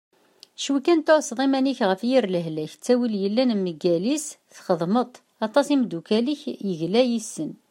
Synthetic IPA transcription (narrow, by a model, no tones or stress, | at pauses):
ʃukænt̪ʊɾsðˤimæniçʁəfjiɾləɦlæçt͡sːæwiljəlːænmːəɡælisθχəðˤmət̪ˤ | ɑt̪ˤɑsimd̪ukæliçjəʝlæjisːən